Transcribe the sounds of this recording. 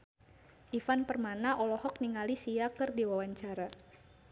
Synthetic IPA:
ʔifanpərmanaʔɔlɔhɔk̚niŋalisiakɨrdiwawaɲt͡ʃaɾa

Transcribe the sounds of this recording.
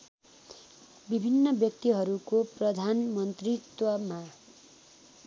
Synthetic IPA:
bibʱinːʌbjʌk̚t̪iɦʌɾukoprʌd̪ʱanmʌnt̪rit̪wʌma

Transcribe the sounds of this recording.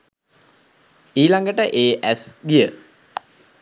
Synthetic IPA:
iːlaŋɡəʈəʔeːʔæsɡijə

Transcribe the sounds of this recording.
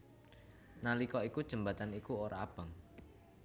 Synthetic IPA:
nalikɔikud̥ʒ̥ə̤mbat̪anikuoɾʔaːb̥ə̤ŋ

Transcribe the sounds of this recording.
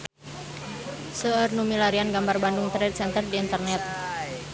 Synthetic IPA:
səərnumilaɾianɡambarbanduŋt̪ɾɛt̪̚sɛnt̪ərdiːnt̪ərnɛt̪̚

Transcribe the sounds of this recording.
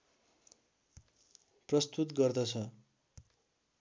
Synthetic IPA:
prʌst̪ut̪ɡʌrd̪ʌt͡sʰʌ

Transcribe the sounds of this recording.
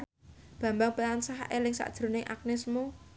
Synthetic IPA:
b̥ä̤mbaŋpilansahʔelɪŋsa̰ʔd̥ʒ̥ɾṳnɪŋʔa̰k̚nɪsmo

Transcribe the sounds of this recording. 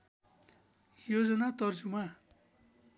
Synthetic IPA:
jod͡zʌnat̪ʌrd͡zuma

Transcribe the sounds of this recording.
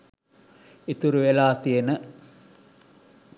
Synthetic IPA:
it̪uɾuʋelaːt̪ijenə

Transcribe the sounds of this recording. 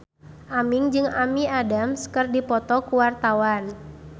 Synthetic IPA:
ʔamiŋd͡ʒɨŋamiadamskərdipɔt̪ɔkuwart̪awan

